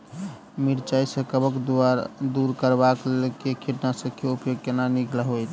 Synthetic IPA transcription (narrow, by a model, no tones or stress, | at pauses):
miɾt͡ʃajsə̃kəbəkd̪ad̪uɾkəɾbakkekʰiʈnasə̃kʰeupjoɡ̚kenaniklaɦojt̪ʰ